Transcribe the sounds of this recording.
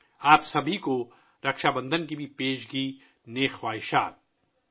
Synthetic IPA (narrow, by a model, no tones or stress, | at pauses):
aːpsɐbʱiko | ɾɐkʃaːbɐ̃nd̪ənk̬ibʱipeːʃɡi | neːxwaːɦɪʃa̰ːt̪̚